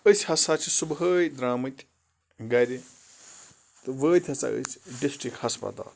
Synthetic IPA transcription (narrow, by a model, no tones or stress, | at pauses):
əsʲhɐsat͡sʰisubɦəːjd̪ɾaːmɨt̪ʲ | ɡɐɾʲi | t̪ɨʋəːt̪ʲʰɐt͡sa̰ə̰sʲɖisʈɾikhɐspɐ̰t̪a̰ːl